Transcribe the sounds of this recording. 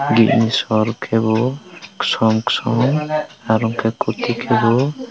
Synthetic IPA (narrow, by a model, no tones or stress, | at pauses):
ɡiʔ̚nisɔɾkʰɛbɔksɔmksɔmaɾɔŋkʰɛkut̪ikʰɛbɔ